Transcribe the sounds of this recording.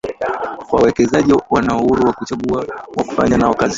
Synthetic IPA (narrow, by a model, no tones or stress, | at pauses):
kwawɛkɛzaʄiwanauhuɾuwakut͡ʃaɠuawaku̥fa̰ɲanaakaz